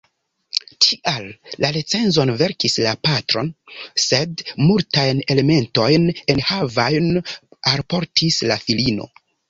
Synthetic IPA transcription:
tʰiʔalːalet͡se̞nzo̞nve̞ɾkislapatɾo̞nse̞dmultajne̞le̞me̞nto̞jne̞nhavajnalpo̞ɾtʰislafilino̞̰

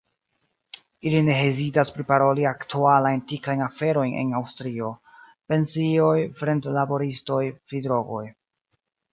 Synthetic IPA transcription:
iline̞ɦezidaspɾipaɾo̞liaktualajntikajnafe̞ɾo̞jne̞̰nawstɾio̞ | pe̞nsio̞jfɾe̞ntlabo̞ɾisto̞jfidɾo̞ɡo̞j

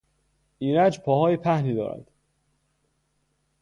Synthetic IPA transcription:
ʔiːɾæd͡ʒpʰɒːhɒːjepʰæhniːd̪ɒ̰ːɾæ̰d̪̥

